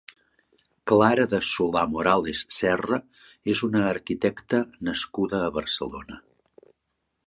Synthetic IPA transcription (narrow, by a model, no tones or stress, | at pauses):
klaɾəðəsulamoɾalesːɛrə | ezunəːɾkit̪ɛkt̪ənəskuðəːβəɾsə̰lo̰nə